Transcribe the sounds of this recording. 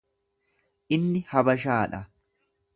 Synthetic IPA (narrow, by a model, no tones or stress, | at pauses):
ʔɪnːɪhɐbɐʃaːᶑɐ